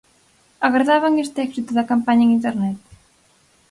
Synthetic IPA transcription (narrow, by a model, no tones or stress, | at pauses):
aɣaɾðaβaŋest̪eɛksit̪uðɐkampaɲɐeŋint̪eɾnɛt̪